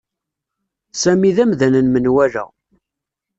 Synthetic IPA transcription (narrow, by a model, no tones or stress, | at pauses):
sæmiðæmðænənmənwælæ̰